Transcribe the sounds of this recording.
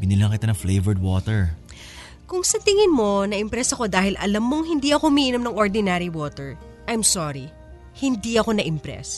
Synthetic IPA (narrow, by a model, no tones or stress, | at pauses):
bɪnɪlakɪt̪ɐnɐflejvɛɹd̪̚wot̪ɛɹ | kʊŋsɐt̪ɪŋɪnmo̞nɐʔɪmpɾɛsɐko̞d̪aːhɪlʔɐ̰lɐmːoŋɦɪnd̪iɐkomiːʔnɐmnɐŋʔoɹd̪ɪnaɾiwoːt̪ɛɹ | ʔɐjmsoːɹi | hɪnd̪iʔɐko̞nɐʔɪmpɾɛ̰s